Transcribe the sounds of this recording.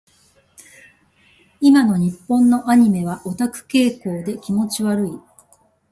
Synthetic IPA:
imano̞ɲ̟ipːõ̞nːo̞ʔaɲ̟ime̞β̞aʔo̞t̪akɯ̟̥ke̞ːko̞ːd̪e̞kʲimo̞t͡ɕiβaɾɯ̟i

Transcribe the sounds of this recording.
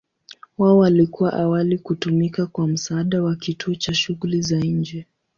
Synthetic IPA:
waɔwalikuwaʔawalikutumikakwam̩saːɗawakituɔt͡ʃaʃuɣulizaɲ̩d͡ʒɛ

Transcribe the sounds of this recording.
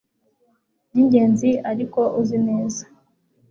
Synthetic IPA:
niɲɟe̞ːnziaɾiko̞ʔuzine̞ːzḁ

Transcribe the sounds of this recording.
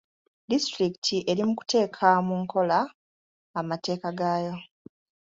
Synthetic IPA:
distɾiktʰiʔe̞ɾimuku̥tʰe̞ːkʰamuŋkʰo̞laː | mate̞ːkaɡaːjo̞

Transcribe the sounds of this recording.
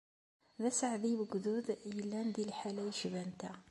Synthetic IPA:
ðæsəʕðiwəɡðuðjəlːænd̪ilħalæjəʃvænt̪æ

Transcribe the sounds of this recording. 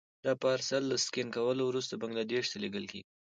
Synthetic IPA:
d̪̥ɑpɑɾsalːaskɪnkawəlowɾus̬t̪abaŋɡlad̪eʃt̪aleɡəlkḛɡi

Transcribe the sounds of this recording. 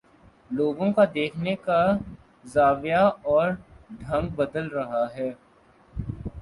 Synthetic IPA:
loːɡõkad̪eːkʰneka | zaːʋjaɔːɾɖʱɐ̃ŋɡ̚bɐd̪əlɾɐɦaɦɛː

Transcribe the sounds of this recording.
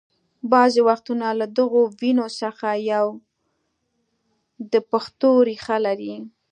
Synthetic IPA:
bɑzewaxt̪unalad̪əɣowinosəxajaw | d̪əpaxt̪oɾixalaɾi

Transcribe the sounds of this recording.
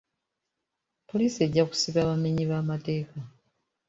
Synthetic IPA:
po̞liːsie̞ɟːaku̥siβaːβameɲiβaːmate̞ːka

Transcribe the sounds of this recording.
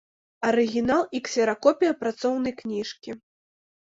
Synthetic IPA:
ɐɾɨɣʲinalˠiksʲɛɾakɔpʲijɐpɾat̪sɔwnɐjknʲiʂkʲi

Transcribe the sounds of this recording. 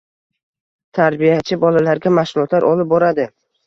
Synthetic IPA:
t̪ʰaɾbijat͡ʃʰɪbɒlalaɾɡʲamaʃʊlˠɒt̪laɾʔɒlɪp̚bɒɾad̪ɪ

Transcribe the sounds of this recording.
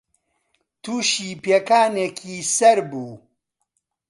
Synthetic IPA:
t̪ʰuːʃiːpeːkaːnekʰiːsɐɾbuː

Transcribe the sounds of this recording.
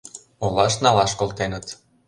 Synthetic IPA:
olɑʃnɑlɑʃkolˠt̪enə̆t̪

